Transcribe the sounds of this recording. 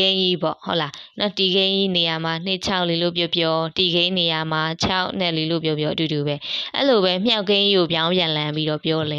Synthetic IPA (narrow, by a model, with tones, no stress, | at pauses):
ẽ˦ɪ̃ʔḭ˦˨pɔ̰˦˨ho˦ʊʔla˨nɔ˦ti˨ɡẽ˦ʔḭ˦˨ne˨ja˨ma˨n̥ɪ˦ʔt͡ɕʰa˦ʊʔli˨lo̰˦˨p̬jɔ˦˨pjɔ˦ti˨ɡẽ˦ɪ̃ne˨ja˨ma˨t͡ɕʰa˦ʊʔn̥ɛ̰˦ʔli˨lo̰˦˨p̬jɔ˦pjɔ˦ʔətu˨du˨bɛ˦ʔɛ̰˦lo˨βɛ˦m̥ja˦ʊkːẽ˦ɪ̃ʔi˦˨o˨pjã˦ʊ̃mbjã˨lã˦mbi˦ɾɔ˦˨pjɔ˦lɛ˦˨